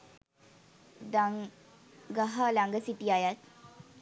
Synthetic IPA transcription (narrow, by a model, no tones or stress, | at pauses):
ɡəɦalaŋɡəsiʈiajat̪̚